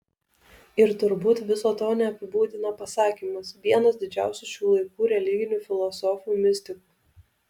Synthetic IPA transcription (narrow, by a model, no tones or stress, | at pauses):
ɪɾt̪ʊɾbuːt̪ʋʲɪsoːt̪oːnʲɛɐpʲɪbuːd̪ʲɪnɐpɐsɑːkʲiːmɐsʋʲiɛnɐsd̪ʲɪd͡ʒʲæˑʊsʲuʃʲuːlˠɐɪkuːɾʲɛlʲɪɡʲɪnʲuːfʲɪlˠɔsɔfʲuːmʲɪsʲt̪ʲɪkuː